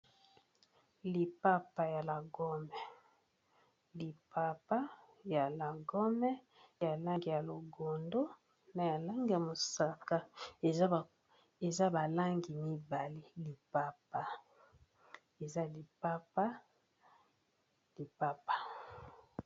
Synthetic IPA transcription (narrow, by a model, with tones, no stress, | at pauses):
li˨pa˦pa˨ja˨la˨ɡɔ˦mɛ˨ | li˨pa˨pa˦ | ja˨la˨ɡɔ˦mɛ˦ | ja˨la˦ŋɡi˨ja˨lo˨ɡo˨ndo˦ | na˨ja˨la˦ŋɡi˦˨ja˨mo˨sa˨ka˦e˨˦˨ | e˨za˦ba˨la˦ŋɡi˨mi˦ba˨li˦li˨pa˦pa˨ | e˨za˦li˨pa˦pa˦ | li˨pa˦pa˨